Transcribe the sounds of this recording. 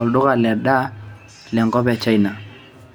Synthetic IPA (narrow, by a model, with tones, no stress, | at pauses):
ɔ˨ldʊ˦ka˨lɛ˨ɗa˦ | lɛ˨ŋkɔ˦bɛ˨t͡ʃa˦i˦na˨